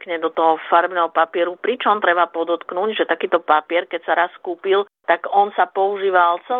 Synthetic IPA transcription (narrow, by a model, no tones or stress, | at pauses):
kɲɛd̪ɔt̪ɔɦɔfaɾbnɛɦɔpapɪɛɾupɾit͡ʃɔmt̪ɾɛbapɔd̪ɔt̪knuɟʒɛt̪akiːt̪ɔpapɪɛɾkɛcsaɾaskuːpil | t̪aɡɔnsapɔuʒiːʋalt͡sɛ